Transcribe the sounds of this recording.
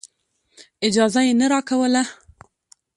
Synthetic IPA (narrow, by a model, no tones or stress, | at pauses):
ɪd͡ʒɑzajenaɾɑkawəla